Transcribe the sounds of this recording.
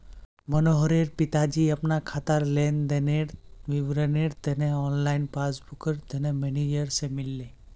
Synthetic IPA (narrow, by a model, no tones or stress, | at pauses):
mənoɦɾeːɾpɪt̪ad͡ʒiɐpnakʰat̪əɾleːnd̪eneɾʋiʋɾəneɾt̪enẽɔːnlaːɪnpaːsbʊkəɾt̪enẽmɛned͡ʒəɾsemɪlːe